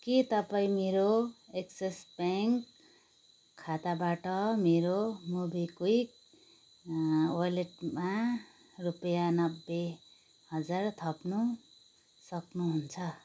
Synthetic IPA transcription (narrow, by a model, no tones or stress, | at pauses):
kit̪ʌpaĩmeɾoeksesbaŋk | kʰːat̪abaʈʌmeɾomubikwik̚ | wʌleʈma | rupʌjanʌbːe | hʌd͡zart̪ʰʌpnu | sʌknuɦunt͡sʰʌ